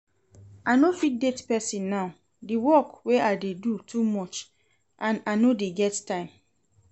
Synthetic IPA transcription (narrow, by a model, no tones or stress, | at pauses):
anofit̚detpɛsĩnːaʊ | diwɔkweaɪdedutʰumɔt͡ʃ | ʔãnanodeɡɛttãɪ̃m